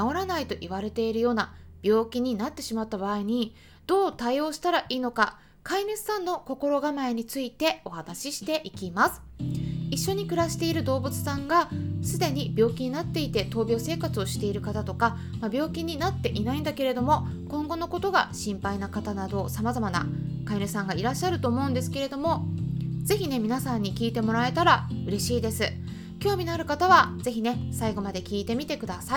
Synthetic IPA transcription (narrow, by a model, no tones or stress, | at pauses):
ao̞ɾanait̪o̞ʔiβ̞aɾe̞t̪e̞iɾɯ̟jo̞ːnab̥ʲjo̞ːkʲiɲ̟inat̪ːe̞ɕimat̪ːabaːiɲ̟i | d̪̥o̞ːt̪aio̞ːɕi̥t̪aɾaʔiːno̞ka | kaimʲit͡sɨ̥sãnːo̞ko̞ko̞ɾo̞ɡamaeɲ̟it͡sɨit̪e̞o̞hanaɕiɕi̥t̪e̞ʔikʲimasɨ̥iɕːo̞ɲ̟ikɯ̟ɾaɕi̥t̪e̞iɾɯ̟d̪o̞ːbɯ̟t͡sɨ̥sãŋɡasɨd̪e̞ɲ̟ibʲjo̞ːkʲiɲ̟inat̪ːe̞it̪e̞t̪o̞ːbʲjo̞ːse̞ːkat͡sɨo̞ɕi̥t̪e̞iɾɯ̟kat̪at̪o̞ka | mabʲo̞ːkʲiɲ̟ːinat̪ːe̞ʔinaĩnd̪ake̞ɾe̞d̪o̞mo̞ | kõ̞ŋɡo̞no̞ko̞t̪o̞ɡa̰ɕĩmpainakat̪anad̪o̞samazamana̰kaiɾɯ̟sãŋɡaiɾaɕːaɾɯ̟t̪o̞ːmo̞ɯ̟̃nd̪e̞sɨ̥ke̞ɾe̞d̪o̞mo̞ze̞çʲine̞mʲinasãɲ̟ːikʲiːt̪e̞mo̞ɾae̞t̪aɾaɯ̟ɾe̞ɕiːd̪e̞sɨ | kʲo̞ːmʲinaɾɯ̟kat̪aβaze̞çine̞saiɡo̞mad̪e̞kʲiːt̪e̞mʲit̪e̞kɯ̟d̪asai